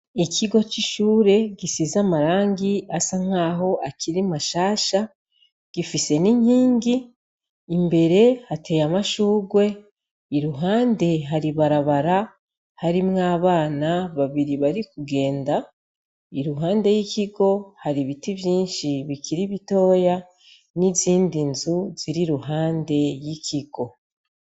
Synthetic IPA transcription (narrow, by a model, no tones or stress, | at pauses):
ikʰiɡo̞t͡ʃiʃuːɾe̞ɡisizamaɾaːŋɡiasaŋ̥aːɦo̞ʔakiɾimaʃaːʃa | ɡ̥ifise̞niɲhiːŋɡiː | mbe̞ɾe̞hatʰe̞jamaʃuːɡwe̞ | iɾuɦaːnde̞ɦaɾiβaɾaβaɾa | haɾimŋaːβaːnaβaβiɾiβaɾikuɡe̞ːnda | iɾuɦaːnde̞jikiɡo̞haɾiβitivjiːnʃiβikʰiɾiβito̞ːja | niziːndinzuz̥iɾiɾuɦaːnde̞jikʰiɡ̥o̞